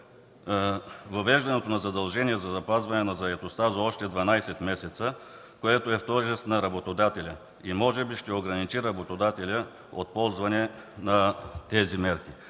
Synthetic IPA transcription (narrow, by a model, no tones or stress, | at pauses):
vɐvɛʒd̪ɐnɛt̪onɐzɐd̪ɐlˠʒɛniɛzɐzɐpazvɐnɛnɐzɐɛt̪ost̪azɐɔʃt̪ɛd̪vɐnajsɛt̪mɛsɛt̪sə | koɛt̪oɛft̪ɔʒɛst̪nɐɾɐbot̪od̪at̪ɛlʲə | imɔʒɛbiʃt̪ɛoɡɾɐnit͡ʃiɾɐbot̪od̪at̪ɛlʲə | ot̪̚pɔlˠzvɐnɛ | nɐt̪ɛzimɛɾki